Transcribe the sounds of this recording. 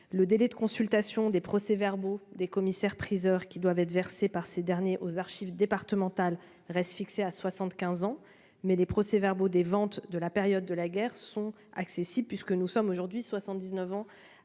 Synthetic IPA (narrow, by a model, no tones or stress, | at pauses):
ləd̪elɛd̪əkɔ̃sylt̪asjɔ̃d̪epχɔsevɛʁbod̪ekɔmisɛʁpχizœʁkʲid̪wavɛt̪χvɛʁsepaʁsed̪ɛʁnjeʔozaʁʃivd̪epaʁt̪əmɑ̃t̪al | ʁɛst̪fikseaswasɑ̃t̪kʲɛ̃zɑ̃ | mɛlepχɔsevɛʁbod̪evɑ̃t̪d̪əlapeʁjɔd̪ːəlaɡʲɛʁsɔ̃ | a̰ksesiblpɥiskənusɔmoʒuʁd̪ɥiswasɑ̃t̪̚d̪iznəvɑ̃